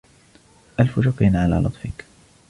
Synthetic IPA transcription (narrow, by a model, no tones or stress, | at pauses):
ʔalfʊʒʊqiːnʕala̰ːlʔɑt̪ˤfɪk